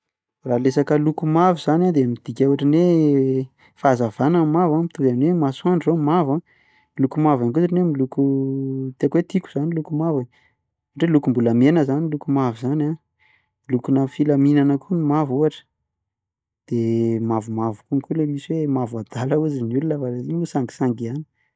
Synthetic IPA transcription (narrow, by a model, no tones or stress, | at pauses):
ralesakəlukumavuzanad̪emid̪̥ikʲauaʈ͡ʂine | fazavanəmavamit̪uvanwemasuaɳzomava | lukumavaŋkuʈ͡ʂinemilukut̪eakwet̪iku̥z̥anilukumava | ɳɖ͡ʐelukumbuləmenəzanilukumavuzana | lukunəfilaminanəkʰunimavuaʈ͡ʂə̥ | d̪̥emavumavukuŋkʲulemiswemavad̪alauzinulunəfaɾeziusaŋɡi̥saŋɡiani̥